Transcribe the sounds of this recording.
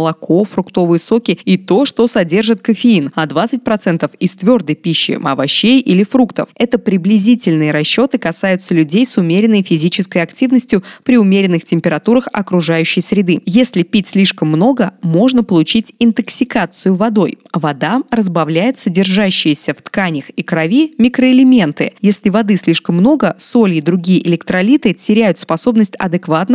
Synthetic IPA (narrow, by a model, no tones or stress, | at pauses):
lˠɐkʰo̞fɾʊkt̪o̞vɨjəso̞kʲɪit̪o̞ʂt̪o̞sɐdʲe̞rʐɨt̪kəfʲɪinɐd̪vat̪sɨt̚ʲpɾɐt̪sɛnt̪əfɪst̪vʲo̞rd̪əjpʲiɕːɪ̰mɐ̰vɐɕːejʔilʲɪfɾukt̪ə̰fɛt̪əpɾʲɪblʲɪzʲitʲɪlʲnɨjəɾɐɕːo̞t̪ɨkɐsajʊt̪səlʲʉdʲejsʊmʲeɾʲɪnːəjfʲɪzʲit͡ɕɪskəjɐktʲivnəsʲtʲjʊpɾʲɪʊmʲeɾʲɪnːɨxtʲɪmʲpʲɪɾɐt̪uɾəxɐ̰kɾʊʐajʉɕːɪjsɾʲɪd̪ɨjesʲlʲɪpʲitʲsʲlʲiʂkəmːno̞ɡəmo̞ʐnəpəlˠʊt͡ɕitʲɪnt̪əksʲɪkat̪sɨjʊvɐd̪o̞jvɐd̪arəzbɐvlʲæjɪt̪sədʲɪrʐaɕːɪjɪsʲəft̪kanʲəxikɾɐvʲimʲɪkɾəɪlʲɪmʲe̞nt̪ɨjesʲlʲɪvɐd̪ɨsʲlʲiʂkəmːno̞ɡəso̞lʲɪd̪ɾʊɡʲijəʔɪlʲɪkt̪ɾɐlʲit̪ɨtʲɪɾʲæjʊt̪spɐso̞bnəsʲtʲɐ̰d̪ɨkvat̪nə